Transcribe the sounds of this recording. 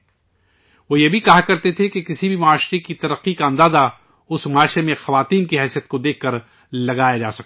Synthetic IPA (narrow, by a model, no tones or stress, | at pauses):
ʋojebʱikɐɦakɐɾt̪et̪ʰekekɪsibʱimʊaːʃɾekit̪ɐɾəqːikaə̃nd̪aːza | ʊsmʊaːʃɾemẽxɐʋaːt̪iːnkiɦɛːsijət̪̚kod̪eːkʰkːɐɾ | lɐɡaːjad͡ʒaːsɐk̚